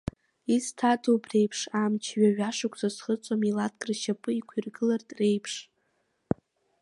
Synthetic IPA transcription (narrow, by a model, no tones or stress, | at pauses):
istʰatʰʼowbre̞jpʰʂaːmt͡ʃʰɥaɥᶣaʂakʷʰʼzasχət͡sʷʼomilat̚ʰkʼrʃapʼɨikʷʰirɡɨlartʼre̞jpʰʂ